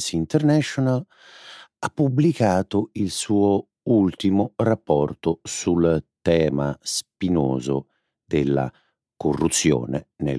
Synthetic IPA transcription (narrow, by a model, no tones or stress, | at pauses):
sint̪ɛrnɛʃonal | apːublikaːt̪oilsuːo | ult̪imʊrapːɔrt̪osult̪ɛːmaspinoːzo | d̪elːa̰ | korːut̪sːjo̰ːnḛnḛ